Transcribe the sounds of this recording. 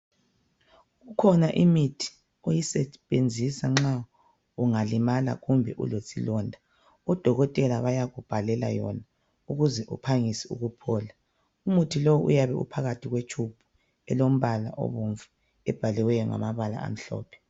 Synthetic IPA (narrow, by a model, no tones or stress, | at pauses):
ɣukʰɔnaʔimitʰi̥ | ojisɛβend͡zʱisaŋ͡ǁa | uŋalimala̰ɣumbʱɛʔṵlosilɔndʱa | ɔd̥ʱɔɣɔtʼɛlaβajaɣub̥ʱalɛla̰jɔna | uɣuzɛʔupʰaŋisiṵɣupʰɔːla | umutʰilowuʔṵjaβɛṵpʰaɣatʰiɣwet͡ʃʰʼub̥ʰʱu̥ | ɛlom̩βala̰ʔɔ̰βuɱvu | ɛb̥ʱalɛwɛjɔŋa̰maβala̰a̰m̩ɬɔ̰ːpʰɛ̥